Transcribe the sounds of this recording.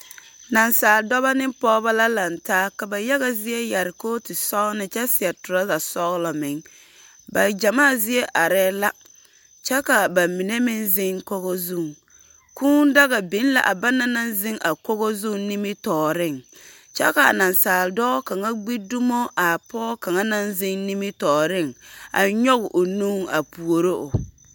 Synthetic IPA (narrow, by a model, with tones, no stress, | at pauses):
na˨nsaː˨ldɔ˦βa˦nɪ˦mpɔː˦ba˦la˦la˨ntaː˦ka˨ba˨ja˦ɣa˦zɪ˦e˦ja˨ɾɪ˨koː˦tɪ˨sɔ˦ɣnɪ˨t͡ʃɛ˦sɪ˨ɛ˨tʊ˨ɾa˦la˨sɔ˦ɣlɔ˨mɪ˨˦ŋ | ba˨d͡ʒa˨maː˦˨zɪ˦e˦ʔa˨ɾɛː˦la˦ | t͡ʃɛ˦ka˨ba˨mi˨ne˦mɪ˦nzɪ˦ŋko˦ɣɔ˦zu˦˨ŋ | ku˦n˦da˦ɣa˨bi˨˦n˦la̰˨ʔa˨ba˦na˦na˦nzɪ˦ŋʔa˨kɔ˦ɣɔ˦zu˦˨ŋni˦mɪ˦tɔː˨ɾɪ˦˨ŋ | t͡ʃɛ̰˦ka˨a̰˨na˨nsaː˨ldɔː˦ka˨ŋa˦ɡ͡bi˦du˦mo˦ʔa˨pɔː˦ka˨ŋa˦na˦nzɪ˦ŋni˦mɪ˦tɔː˨ɾɪ˦˨ŋa̰˨ɲɔ˦ɣɪ˨ʔo˨nu˦ŋa̰˨pu˨o˨ɾo˦ʔʊ˨